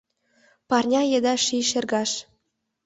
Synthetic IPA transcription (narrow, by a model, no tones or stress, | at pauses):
pɑrnʲɑjed̪ɑʃiʃĕrɣɑʃ